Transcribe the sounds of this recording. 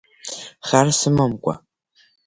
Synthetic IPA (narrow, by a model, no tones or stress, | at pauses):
χarsɨmɐmkʷʼɐ̰